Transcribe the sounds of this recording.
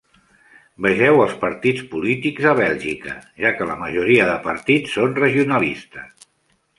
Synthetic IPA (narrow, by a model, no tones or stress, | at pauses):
bəʒɛwəlˠspəɾt̪it͡spulit̪ikzəβ̞ɛlˠʒikə̰ʒakələməʒuɾiəðəpəɾt̪it͡sːonrəʒiunəlist̪ə